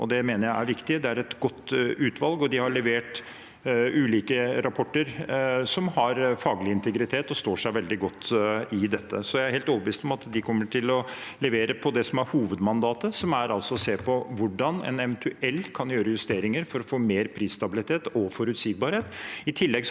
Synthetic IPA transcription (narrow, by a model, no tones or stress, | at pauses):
ɔ̰d̪ɛmeːnəɾjæɪæɾʋɪkt̪ɪd̪ɛæɾɛt̪ɡɔt̪ːʉːt̪ʰʋɑlɡɔd̪ɪhɑɭɛʋeːʈ | ʉːliːkəɾɑpʰɔʈːəɾsɔmhɑɾfɑːɡlɪɪnt̪ʰəɡɾɪt̪ʰeːt̪ɔst̪oːʂæɪʋɛld̪ɪɡɔt̪ʰːɪd̪ɛt̪ːəsɔjæɪæɾheːlt̪ɔbəʋiːst̪ɔmɑt̪d̪ɪkʰɔmːəʈʰɪlɔlɛʋeːɾəpʰɔd̪ɛsɔmæɾhuːʋəd̪mɑnd̪ɑːt̪əsɔmæɾʔɑlsɔseːpʰɔʋʊɖɑnɛ̰nɛʋɛnt̪ʰʉɛlːkʰɑnjøːɾəjʉst̪eːɾɪŋəɾfɔɾɔfoːmeːɾpʰɾiːsst̪ɑbɪlɪt̪ʰeːt̪ɔfɔɾʉːt̪sɪːɡ̚bɑɾheːt̪ɪt̪ʰɪlːɛɡ